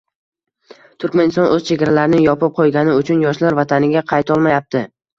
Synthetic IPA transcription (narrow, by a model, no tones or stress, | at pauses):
t̪ʰʊɾkʲmanɪst̪ɒnʔɵz̥t͡ʃʰe̞ɡʲaɾalaɾɪnɪŋjɒpɪp̚qʰojɡʲanɪʊt͡ʃʰʊnjɒʃlaɾvat̪ʰanɪɡʲaqʰɑjt̪ʰɒlˠmajap̚t̪ʰɪ